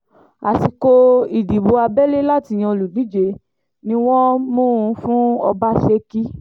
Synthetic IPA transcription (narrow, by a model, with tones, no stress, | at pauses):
a˨si˧ko˧i˨di˨bo˧a˧bɛ˦le˦la˦˨ti˧˨j̃ɛ̃˧o˧lu˨di˨˦d͡ʒe˨˦ | nĩ˧˦w̃ɔ̃˦mũ˦˨ũ˧fũ˦ɔ̰˧ba˦ʃe˧ki˦